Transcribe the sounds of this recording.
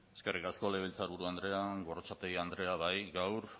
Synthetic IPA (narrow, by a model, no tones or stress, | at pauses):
eskerikasko̞le̞β̞elt͡saɾβuɾuand̪ɾe̞aɡorot͡ʃat̪eɣiand̪ɾe̞aβajɡawɾ